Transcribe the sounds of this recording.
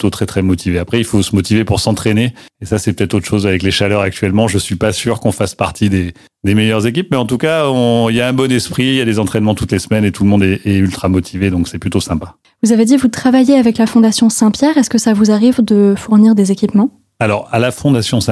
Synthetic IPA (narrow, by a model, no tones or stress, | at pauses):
t̪ot̪χɛt̪χɛmɔt̪ʰiveapχɛilfosəmɔt̪ivepuʁsɑ̃t̪χene | esasɛpø̥t̪ɛt̪χot̪χʃozavɛkleʃalœʁak̚t̪ɥɛlmɑ̃ʒəsɥipasyʁkɔ̃faspaʁt̪ʰid̪e | d̪emejœʁzek̬ʲip̚mɛɑ̃t̪ukaɔ̃iljaɛ̃bɔnɛspχiiljad̪ezɑ̃t̪χɛnmɑ̃t̪ut̪lesmɛnet̪ulmɔ̃d̪ɛɛylt̪χamɔt̪ʰived̪ɔ̃ksɛplyt̪osɛ̃pa | vuzaved̪ivut̪χavajeavɛklafɔ̃d̪asjɔ̃sɛ̃pjɛʁɛskəsavuzaʁivd̪əfuʁniʁd̪ezekʲipmɑ̃ | alɔʁalafɔ̃d̪asjɔ̃ɛ̃